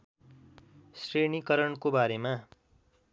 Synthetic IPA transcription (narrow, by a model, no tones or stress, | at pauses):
srenikʌɾʌɳkobaɾema